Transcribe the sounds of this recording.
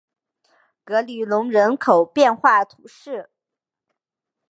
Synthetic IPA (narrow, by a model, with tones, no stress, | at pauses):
kɤ˧˥ly˨˩lʊ˧˥ŋɻə˧˥nkʰo˨˩ʊpjɛ˥˧nxwa˥˩t̪ʰu˧˥ʂɻ̩˥˩